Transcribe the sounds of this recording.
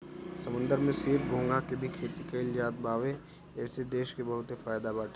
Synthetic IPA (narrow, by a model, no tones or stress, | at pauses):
sɐmʊ̃nd̪əɾmẽseːpɡʱõːŋɡakebʱikʰeːt̪ikeɪljaːt̪̚bʱaːʋe | ɛːsed̪eːʃkebɐɦʊt̪ɦefaːjd̪abaːʈʰe